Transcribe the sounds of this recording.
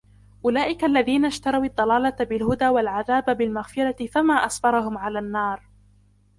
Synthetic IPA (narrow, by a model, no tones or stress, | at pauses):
ʔʊlaːʔɪkaʔlːaðiːnaʃt̪ɑɾˤɑwɑd̪ˤːɑlɑːlɑbɪlɦʊd̪aːwalʕaðaːbabɪlmaɣfɪɾˤɑt̪ɪfamaːʔɑsbɑɾˤɑɦʊmʕalaːnːɑːɾˤ